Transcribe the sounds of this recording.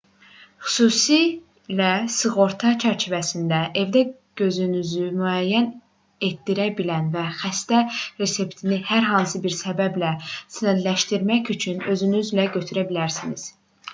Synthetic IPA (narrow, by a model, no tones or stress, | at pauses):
xy̥suːsi | læsɯɣo̞ɾt̪ʰɑt͡ʃʰæɾt͡ʃʰivæsind̪æʔe̞vd̪æɡ̥ø̞zynyzymyæjːæn | e̞t̪ːiɾæbilænvæxæst̪æɾe̞se̞pt̪ʰinihæɾɦɑnsɯbiɾsæbæblæsænæd̪læʃt̪iɾmæçyt͡ʃʰynø̞zynyzlæɟø̞t̪ʰyɾæbilæɾsinḭz̥